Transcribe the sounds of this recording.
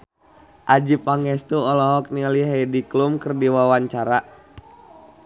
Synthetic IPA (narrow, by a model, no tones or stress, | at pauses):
ʔad͡ʒipaŋɛst̪uɔlɔɦɔk̚nialiɦɛdiklumkərdiwawaɲt͡ʃaɾa